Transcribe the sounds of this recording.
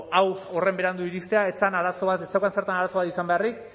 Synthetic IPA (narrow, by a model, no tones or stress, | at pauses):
awo̞re̞mbe̞ɾand̪uiɾist̪eae̞t͡sanaɾaso̞βat̪esawkanseɾt̪anaɾasoat̪isambe̞arik